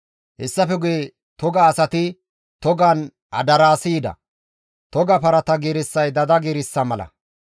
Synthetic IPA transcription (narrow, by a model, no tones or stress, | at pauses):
hɛsːɐfɛɡʊje | t̪ɔɡɐːsɐt̪ɪ | t̪ɔɡɐn | ɐ̰d̪ɐɾaːsiːd̪ɐ̰ | t̪ɔɡɐpɐɾɐt̪ɐɡeːɾɪsːɐjd̪ɐd̪ɐɡeːɾɪsːɐmɐlɐ̰